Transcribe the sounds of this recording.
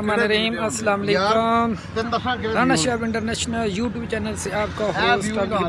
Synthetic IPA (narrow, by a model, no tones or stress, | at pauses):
ɐmaːnɐɾiːmɐsɐlaːmɐleːku | d̪ʱaːnaʃaːbɪɳʈɐɾneːʃnɐljuːʈjuːb̚t͡ʃɛːnɐlseaːp̚kaːfiʊst̪ab